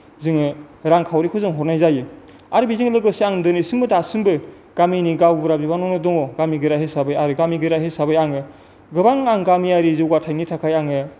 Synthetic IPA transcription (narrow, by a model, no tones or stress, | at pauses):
zɯŋɯɾaŋkʰawɾikʰɯzɯŋɦɔtnajzajɯ | aɾɯbiziŋlɯɡɯsiaŋdɯnisinbɯdasɯnbɯ | ɡ̥aminiɡawbɯɾabibanɔnɯdɔŋɔɡamiɡɯɾaɦhesabɯjaɾɯɡamiɡɯɾaɦesabɯjaŋɯ | ɡɯbaŋaŋɡamiaɾizɯwɡatʰajnitʰakʰajaŋɯ